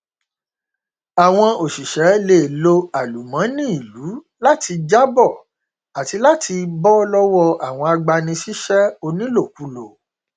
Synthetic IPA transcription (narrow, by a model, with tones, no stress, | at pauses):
a˨w̃ɔ̃˧o˨ʃi˨ʃɛ˨˦le˦˨lo˧a˨lu˨mã˨˦nĩ˦i˦˨lu˨˦ | la˦tʰi˧d͡ʒa˦bɔ˦˨ | a˨ti˧la˦tʰi˧bɔ˦lɔ˦wɔ˦a˨w̃ɔ̃˧a˧ɡ͡ba˧nĩ˧ʃi˦ʃɛ˦o˧nĩ˦lo˦˨ku˨˧˦lo˨